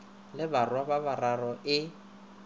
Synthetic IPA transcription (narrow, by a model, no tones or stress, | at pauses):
lɪbarwababararɔʔɪ